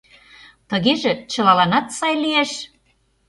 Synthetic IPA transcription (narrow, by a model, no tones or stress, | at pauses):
t̪əɣeʒet͡ɕə̆lɑlɑnɑt̪sɑjlieʃ